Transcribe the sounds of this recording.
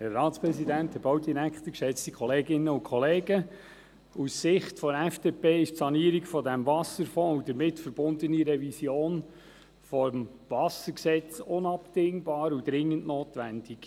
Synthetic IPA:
hɛrːɑːtspɾɛsidænthɛbowdiɾækχt̪əkʃɛt͡stikʰχɔleːɡɪnːəʊnkʰχɔleːɡə | ussɪχtfɔɛfd̥eːpeːɪʃtsɑniːəɾiɡfɔdæmvɑsəɾfɔ̃ːud̥əɾmɪtfəɾbʊndəniɾɛvisjoːn | fɔmvɑsəɾksɛt͡sʊnɑptɪŋbɑːɾud̥̪ɾɪŋːəntnoːtʋænd̥ɪɡ̥

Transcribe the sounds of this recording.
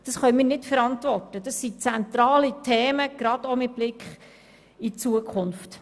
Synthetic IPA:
d̥ɑsχœmiːnɪtfɛɾɑntvɔrtəd̥ɑsit͡sɛnt̪ɾɑːlitʰɛːməɡ̥ɾɑd̥omɪt̚b̥lɪkχ | it͡suəkʰχʊnft

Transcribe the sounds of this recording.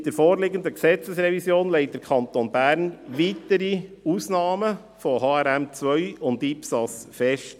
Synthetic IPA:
d̥əɾfoːɾlɪɡənd̪əksɛt͡səsɾɛvisjoːnlɛɪt̚d̥əɾkʰɑnt̪onb̥æːɾnʋitəɾiuːsnɑːmə | fɔɦɑːɛɾæmt͡sʋœʏʊndipsɑsfɛʃt

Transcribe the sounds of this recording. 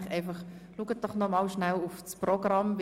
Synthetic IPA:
χɛɪfɑχluɡəd̥ɔχnɔmɑlʃnælʊfsprɔɡ̥rɑmv

